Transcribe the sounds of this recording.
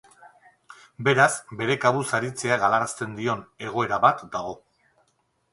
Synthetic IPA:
be̞ɾasbe̞ɾe̞kaβusaɾit͡se̞aɣalaɾast̪e̞nd̪io̞ne̞ɣ̞o̞e̞ɾaβat̪d̪aɣ̞o̞

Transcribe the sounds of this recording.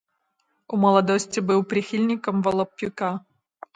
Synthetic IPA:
umɐlˠɐd̪osʲtʲɪbɨwpɾʲixʲilʲnʲɪkəmvɐlˠɐpʲːuka

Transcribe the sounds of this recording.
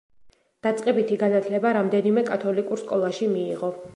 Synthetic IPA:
d̪̥at̪sʼqʼɛbit̪ʰiɡanat̪ʰlɛbaɾamd̪ɛnimɛkʼat̪ʰɔlikʼuɾskʼɔlˠaʃimiːʁɔ

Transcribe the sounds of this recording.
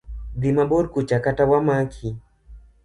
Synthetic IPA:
d̪imabodkut͡ʃakatawamakʰi

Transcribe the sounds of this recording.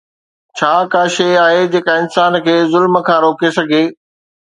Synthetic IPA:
t͡ɕʰaːkaːʃeaːɦed͡ʑeːkaɪnsaːnkʰeːzʊlməkʰãːɾoːkesɐɡʱeː

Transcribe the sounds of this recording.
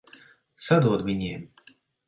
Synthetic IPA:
sad̪uɔd̪vʲiɲʲiːm

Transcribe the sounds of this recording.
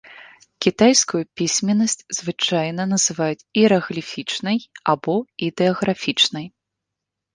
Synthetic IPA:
kʲit̪ajskujupʲisʲmʲɛnːɐsʲt͡sʲzvɨt͡ʂajnɐnɐzɨvajut͡sʲiɾɐɣlʲifʲit͡ʂnɐjabɔid̪ɛɐɣɾafʲit͡ʂnɐj

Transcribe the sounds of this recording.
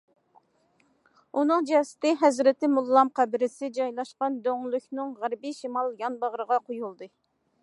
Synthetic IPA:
unɨŋd͡ʒɑsɪ̥t̪ɪɦɛzɾɪt̪ɪmulˠːɑmqʰæbɪɾɪsɪd͡ʒɑjlˠɑʃqɑnd̪øŋlˠykʲnɨŋʁæɾbiʃimɑlˠjɑnbɑʁɾəʁɑqʰojulˠd̪ɨ

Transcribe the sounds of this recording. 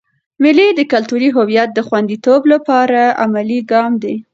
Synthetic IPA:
mɪlid̪əkalt̪uɾiɦʊwijat̪̚d̪əxwand̪it̪oblapɑɾaa̰maliɡɑmd̪e

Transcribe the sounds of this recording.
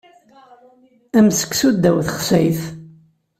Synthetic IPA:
æmsə̥kːsud̪ːæwθəχsæjθ

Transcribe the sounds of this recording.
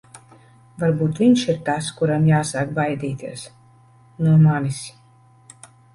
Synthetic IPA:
vaɾbuːt̪vʲiɲʃiɾt̪askuɾamjaːsaːkbajd̪iːt̪iɛs | nuɔmanis

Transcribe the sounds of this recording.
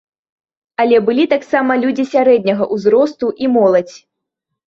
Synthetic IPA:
alʲɛbɨlʲit̪aksamɐlʲud͡zʲisʲaɾɛd̪̚ʲnʲɐɣɐʔuzɾɔst̪uʔimɔlˠɐt͡sʲ

